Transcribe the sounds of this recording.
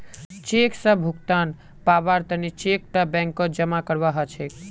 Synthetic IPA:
t͡ʃeksəbbʱukt̪an | pabaɾt̪ənit͡ʃek̚ʈəbɛ̃ŋkːɔd͡ʒəmakəɾʋaɦət͡ʃʰe

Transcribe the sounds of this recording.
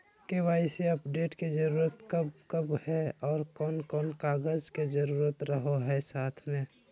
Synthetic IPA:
keʋaːiseɐpɖeːʈked͡ʒəɾuːɾət̪kəbkəbhɛɔːɾkɔːnkɔːnkaːɡəzked͡ʒəɾuːɾət̪ɾəɦoɦɛsaːt̪ʰmẽ

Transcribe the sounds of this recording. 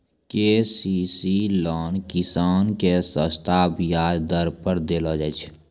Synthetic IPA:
kesisilɔːnkɪsaːnkesə̃st̪ʰaːbjaːd̪əɾpəɾd̪elod͡ʒɛt͡ʃʰ

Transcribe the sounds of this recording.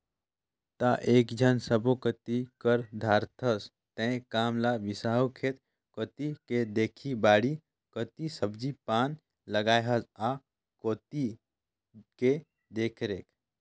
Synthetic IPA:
t̪aʔeːkd͡ʒʱənsəbokət̪ikəɾd̪ʱaːɾt̪ʰəs | t̪ɛ̃kaːmlaʋɪsaːɦokʰeːt̪ | koːt̪iked̪eːkʰibaːɽi | kət̪isəbd͡ʒipaːn | ləɡaːjɦəza | koːt̪i | ke | d̪eːkʰɾeːk

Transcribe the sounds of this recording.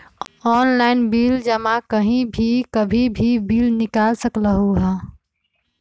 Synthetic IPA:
ɔːnlaːɪnbiːld͡ʒəmãkəɦĩbʱikəbʱibʱibiːlnɪkaːlsəkləɦuɦɛ

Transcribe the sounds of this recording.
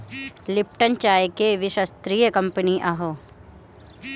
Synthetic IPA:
lɪp̚ʈənt͡ʃaːjkeʋɪʃəst̪ɾiːjəkɐ̃mpəniʔɐɦoː

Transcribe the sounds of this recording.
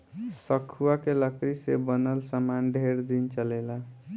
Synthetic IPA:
sʌkʰuakelʌkɾisebʌnəlsəmanɖʱeɾd̪int͡ʃʌlela

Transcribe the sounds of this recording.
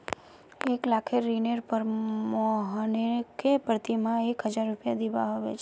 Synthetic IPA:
eklakʰeɾinəɾpəɾmɔɦənekepəɾt̪imãekɦəd͡ʒaɾːupjad̪iʋa̰ɦoʋḛt͡ʃʰ

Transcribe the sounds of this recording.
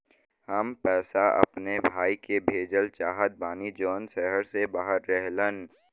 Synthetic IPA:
hɐmpɛːsaʔɐ̰pnebʱaːikebʱeːd͡ʒəlt͡ʃaːɦət̪̚baːnid͡ʒɔːnʃɛɦəɾsebaːɦəɾːɛɦlən

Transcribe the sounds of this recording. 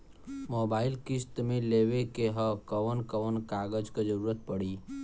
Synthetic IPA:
moːbaːɪlkɪst̪mẽleːʋekeɦəkəʋənkəʋənkaːɡəd͡ʒked͡ʒəɾuːɾət̪̚pəɽiː

